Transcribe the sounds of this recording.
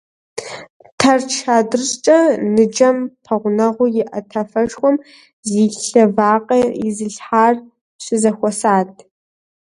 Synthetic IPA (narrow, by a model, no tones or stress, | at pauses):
tʰɐrt͡ʃʰaːdɨrɕt͡ʃʼɐnɨd͡ʒɐmpʰɐʁʷʊnɐʁʷʊjɪʔɐtʰɐfɐʂxʷɔm | ziːɬɬɐvaːqʼɐjɪzɨɬħaːr | ɕɪzɐxʷɔsaːtʼʰ